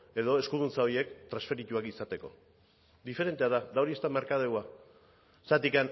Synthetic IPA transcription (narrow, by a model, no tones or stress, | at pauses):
e̞ðo̞e̞skuðunt͡sao̞ie̞kt̪ɾansfe̞ɾit̪uakisat̪e̞ko̞̰ | d̪ife̞ɾe̞nt̪eaðad̪aoɾie̞st̪amaɾkaðewa | sat̪ikan